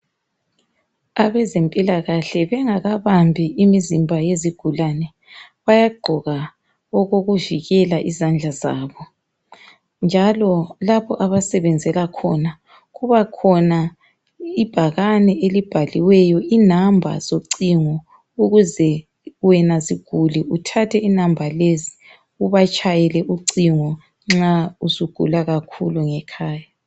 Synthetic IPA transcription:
aβɛzempʼilaɣaɬɛβɛŋaɣaβambʱiimizimbʱajeziɡ̥ʱulanɛ | βajaɡ͡ǃʱɔɣa | ɔɣoɣuviɣɛlaʔizand͡ɮʱaza̰ːβɔ | nd͡ʒʱalɔlaβɔʔaβasɛβɛnd͡zʱɛlakʰɔna | ɣuβakʰɔna | ib̥ʱaɣanɛʔelib̥ʱaliwɛjɔʔinambʱa̰z̥oǀiŋɔ | uɣuzɛ | wɛnaziɡ̥ʱuliutʰatʰɛinambʱalezi̥ | uβat͡ʃʼajɛlɛʔuǀiŋɔ | ŋ͡ǁausuɡ̥ʱṵlaɣakʰṵluŋɛkʰaːja

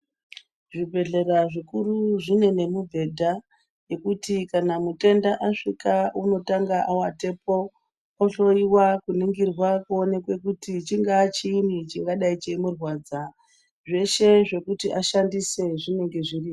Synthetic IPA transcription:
ʐibʱe̞ɮe̞raʐikuruʐine̞ne̞mubʱe̞dʱa | je̞kutikanamute̞ndaʔaʂrikauno̞taŋɡaʔawate̞po̞ | oɬo̞iwakuniŋɡirwakuone̞kwe̞kutit͡ʃiŋɡaːt͡ʃiːnit͡ʃiŋɡaɗait͡ʃemurwaːd͡za | ʐe̞ʃe̞ʐe̞kutiʔaʃandise̞ʐine̞ŋɡe̞ʐiriːo

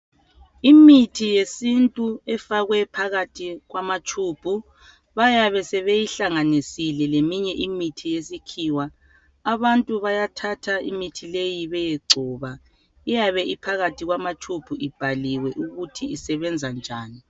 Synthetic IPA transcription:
imitʰijesintʼuɛfaɣwɛpʰaɣatʰiɣwamat͡ʃʰʼuːbpʰu | βajaβɛsɛβejiɬaŋanisilɛlemiɲɛʔimitʰijesikʰiːwa | aβantʼuβajatʰatʰaḭmitʰilejiβɛjeɡ͡ǀʱɔːβa | ijaβɛʔipʰaɣatʰiɣwamat͡ʃʰʼub̥ʰʱuʔib̥ʱaliwɛʔuɣutʰiisɛβɛnd͡zʱand͡ʒʱaːni

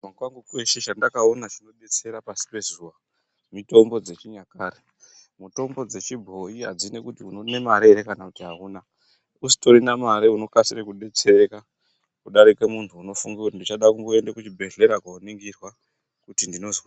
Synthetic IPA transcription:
aɡwaŋɡukweʃeʃandakaonat͡ʃino̞ɓe̞t͡se̞ɾapasi̥pe̞zuʋa | mito̞mbo̞d͡ze̞t͡ʃiɲakare | mito̞mbo̞d͡ze̞t͡ʃibʱo̞iɦa̰d͡zinekutiunone̞maɾeɾekanakutiɦauːna | usi̥to̞ɾinamaɾiuno̞kasirekuɗe̞t͡se̞ɾeka | kuɗaɾike̞muntʰuːno̞fuŋɡakutindit͡ʃaɗakuŋɡo̞e̞ndekut͡ʃibʱe̞ɮe̞ɾakwaoniŋɡirwa | kutindino̞zwa

